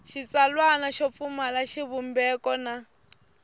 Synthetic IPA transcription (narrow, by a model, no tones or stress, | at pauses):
ʃit͡salwanaʃɔp̪fumalaʃiβumbɛkɔna